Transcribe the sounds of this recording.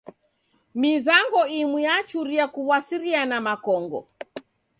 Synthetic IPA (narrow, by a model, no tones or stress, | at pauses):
mizaŋɡɔimwiat͡ʃuɾiakuβwasiɾianamakɔŋɡɔ̰